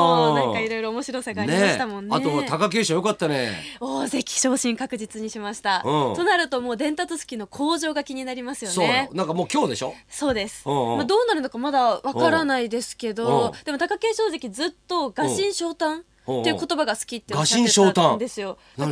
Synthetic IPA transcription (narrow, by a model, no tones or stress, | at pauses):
ãŋkaiɾo̞jɾo̞ːmo̞ɕiɾo̞saɡaːɾeiɕit̪amõ̞nːaet̪ot̪akak̬e̞ːɕoːjo̞kat̪ːanḛoːze̞çʲi̥ɕo̞ːɕĩŋkakɯ̟ʑit͡sɨɲ̟iɕimaɕi̥t̪ãt̪o̞naɾɯ̟t̪o̞mo̞ːd̪ẽ̞nt̪at͡sɨsɨ̥kʲino̞kʰo̞ːʑo̞ːɡakʲiɲ̟inaɾʲimasɨjo̞noenãŋkamo̞ːkʲo̞ːd̪e̞ɕo̞̰so̞ːd̪e̞sɨ̥̃mad̪o̞ːnaɾɯ̟nokamad̪aβakaɾanaid̪e̞sɨ̥ke̞d̪o̞d̪̥e̞mo̞t̪akake̞ːɕo̞ːze̞kʲid͡zɨt̪ːo̞ɡaɕĩɰ̃ɕo̞ːt̪ãn | eiɯko̞t̪o̞baɡasɨ̥kʲit̪ːeɡaɕĩɰ̃ɕo̞ːt̪ãd̪e̞sɨjo̞ | n